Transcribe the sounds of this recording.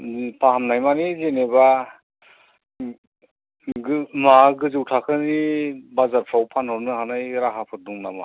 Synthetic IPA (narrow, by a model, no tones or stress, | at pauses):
pʰaɦamnajmanizeneba | ɡmaɡɯzɯwtʰakʰɯnibazaɾpʰɾawpʰanhɯɾnɯhanajɾaɦapʰɯɾduŋnama